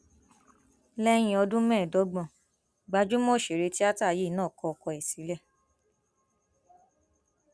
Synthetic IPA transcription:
lɛ˦j̃ĩ˧ɔ˧dũ˦mɛ̃ː˦˨dɔ˨˦ɡ͡bɔ̃˨ | ɡ͡ba˧d͡ʒu˦mo˦˨ʃe˨ɾe˧ti˦a˦ta˦˨je˦˨nãː˦˨kɔ˧ɔ˨kɔ˧ɛ˨si˨˦lɛ˦˨

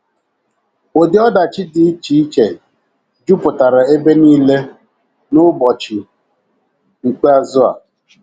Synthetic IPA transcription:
o˨dɪ˨˦ɔ˦da˨t͡ʃɪ˦dɪ˨˦t͡ʃi˦t͡ʃe˨ | d͡ʒu˦pʊ˨ta˨ɾa˨e˦be˦niː˦le˦ | nʊ˦bɔ˨t͡ʃɪ˨ | ŋ͡m̩˨k͡pe˦a˦zʊ˦a̰˨

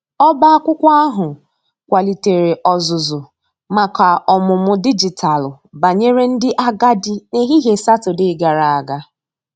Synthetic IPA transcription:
ɔ˦ba˦a˦kʷʊ˦kʷa˦a˦ɦʊ˨ | kʷa˨li˨te˨ɾe˨ʔɔ˨zʊ˨zʊ˨ | ma˨ka˨ɔ˨mʊ˨mʊ˦di˦d͡ʒi˨tʰa˨lʊ˨ | ba˨ɲe˦ɾe˦n̩˦dɪ˦ʔa˦ɡa˦dɪ˦ne˦ɦi˦ɦe˨sa˦tʊ˨dɪ˦ɡa˨ɾa˨a˨ɡa˦

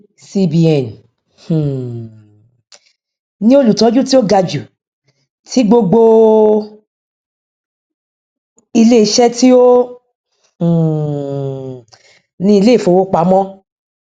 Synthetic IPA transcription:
si˧bi˨ɛ˨n˨ | hũ˨ | nĩ˦o˦lu˨tɔ̃˨˦d͡ʒũ˦ti˦o˦ɡa˧d͡ʒu˨ | tʰi˨˦ɡ͡bo˧ɡ͡bo˧ | i˧le˦i˧˦ʃɛ˦ti˦o˦˨ | nĩ˧˦i˧le˦˨fo˨˦wo˦k͡pa˨˦mɔ̃˦

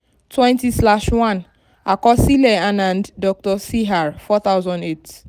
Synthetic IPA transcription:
twɛ̃˦nti˦sla˦ʃwã˦˨n | a˨kɔ˦si˦le˨a˦nã˨nddɔ˦k̚tɔ˦si˦ɦa˨ɹfɔ˦t̪a˦wzɔ̃˨nde˦t

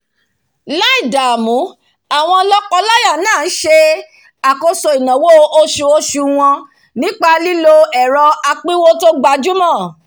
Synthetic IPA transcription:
la˦i˦˨da˨mũ˨˦ | a˦˨w̃ɔ̃˧lɔ˦kɔ˧la˦ja˦˨˦nãː˦˨n̩˦ʃe˧ | a˨ko˧so˧i˨nɔ̃˨wo˦o˧ʃu˧o˧ʃu˧w̃ɔ̃˧ | nĩ˦k͡pa˧li˦lo˧ɛ˨ɾɔ˧a˧k͡pi˦wo˦to˦ɡ͡ba˧d͡ʒu˦mɔ̃˦˨

